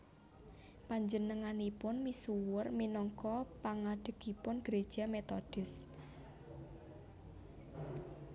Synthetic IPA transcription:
paɲd͡ʒənəŋanipʊnmisuwʊrminɔŋkɔpaŋaɖ̥ə̤kipʊnɡ̥ɾed̥ʒ̥a̤met̪ɔd̥ɪs

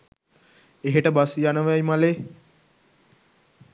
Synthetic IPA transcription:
eɦeʈəbasijanəʋajmaleː

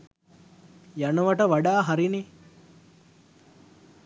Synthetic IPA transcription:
janəʋaʈəʋaɖaːɦaɾine

